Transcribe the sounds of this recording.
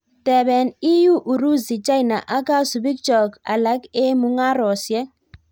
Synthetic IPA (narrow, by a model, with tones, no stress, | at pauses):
tɛ˨bɛ˨ni˦ju˦ʔu˨ɾu˦zi˨t͡ʃa˦i˨na˨ʔa˦ka˦su˨bi˦k̚t͡ʃɔ˨ka̰˨la˦ke˦mu˦ŋa˦ɾɔ˨sjɛ˦